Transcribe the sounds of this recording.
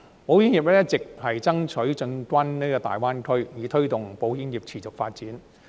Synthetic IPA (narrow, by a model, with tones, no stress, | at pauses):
po˨˥wji˧˥njiː˨˩p̚lɛː˥t͡sɪ˨k̚hɐ˨jt͡sɐ˥ŋt͡sʰɵ˨˥ɥt͡sɵ˧nkwɐ˥nniː˥kɔː˧t̪a̰ː˨jwaː˥nkʰɵ˥ɥjiː˨˧t̪ʰɵ˥ɥt̪ʊ˨˩ŋpo˨˥wji˨˥njiː˨˩p̚t͡sʰiː˨˩t͡sʊ˨k̚faː˧t̚t͡siː˨˥n